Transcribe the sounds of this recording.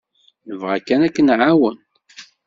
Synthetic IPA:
nəvʁakːænækːənʕawən

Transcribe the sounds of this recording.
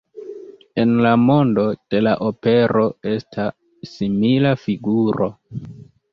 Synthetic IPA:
e̞nlamo̞ndo̞d̥e̞laʔope̞ɾʔo̞e̞stʰa | similafiɡuɾo̞

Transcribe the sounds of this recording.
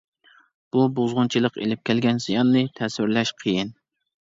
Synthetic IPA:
b̥ubozʁʊnt͡ʃʰilˠəqḛlɪp̚kʲɛlɡʲɛnsijɑnːɨt̪ʰɛswɪɾlɛʃqʰəjin

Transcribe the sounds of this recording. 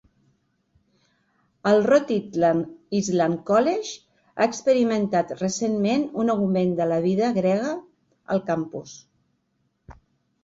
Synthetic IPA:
əlˠrɔt̪i | izlamkɔleʃ | a̰əkspəɾimənt̪at̪rəsenmenunəɣumend̪ələβ̞iðəɣɾɛɣə | ə̰lˠkampus

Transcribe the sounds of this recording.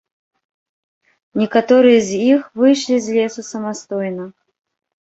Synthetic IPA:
nʲɛkat̪ɔɾɨjɐzʲixvɨjʂlʲizʲlʲɛsusɐmast̪ɔjnɐ

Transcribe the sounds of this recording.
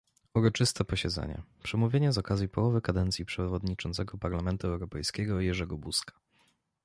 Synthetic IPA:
uɾɔt͡ʂɘst̪ɛpɔɕɛd̪zɛ̰ɲɛ̰pʂɛmuvʲjeɲɛzɔkazʲjipɔwɔvɘkad̪ɛnt̪sʲjipʂɛvɔd̪ɲit͡ʂɔnt̪sɛɡɔpaɾlamɛnt̪uɛwɾɔpɛjskʲɛɡɔjɛʐɛɡɔbuskḁ

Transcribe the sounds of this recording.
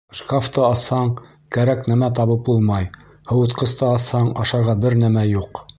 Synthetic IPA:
ʃkaft̪ɤɑshɑɴ | kæɾæknæmæt̪ɑβɤp̚bulˠmɑj | hɤ̆wɤ̆t̪qɤ̆st̪ɤɑshɑɴɑʃɑɾʁɑbɘɾnæmæjuq

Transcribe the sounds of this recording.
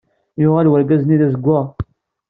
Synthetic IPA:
jʊʁælwæɾɡæzniðæzəɡʷːæ

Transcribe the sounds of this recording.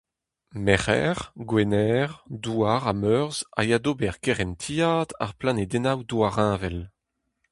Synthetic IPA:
mɛχɛ̰ʁɡwenɛʁd̪uaʁamøœʁza̰jad̪obɛʁkeʁɛnt̪ʰijaːd̪a̰ʁplaned̪ɛnawd̪uaʁɛ̃ːvɛl

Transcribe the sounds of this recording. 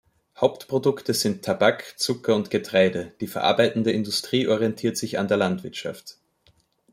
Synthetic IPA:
haʊptpʁ̥odʊktəz̥ɪntʰːabakt͡sʊkɐʊntɡ̥ətʁ̥aɪdəd̥iːfɛɐʔa̰ɐbaɪtn̩dəɪndʊstʁ̥iːʔɔʁiɛntʰiːɐtz̥ɪça̰ndeːɐlantv̥ɪɐtʃa̰ft

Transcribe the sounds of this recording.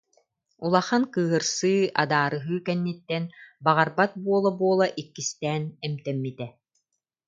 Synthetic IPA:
ulˠaχankɯːɦɯɾsɯːʔa̰d̪aːɾɯɦɯːkɛnːit̪ːɛnbaʁaɾbat̪̚buɔlˠabuɔlˠaʔikːist̪ɛːnɛmt̪ɛmːit̪ɛ

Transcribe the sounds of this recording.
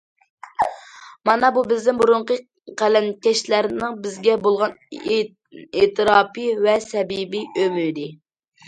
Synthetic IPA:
mɑnɑbubɪznɪmbuɾʊɴqə | qælɛnkʲɛʃlæɾnɨŋbɪzɡʲɛbolˠʁɑn | et̪ʰɨɾɑːpɨvɛsɛbibiømyd̪ɪ

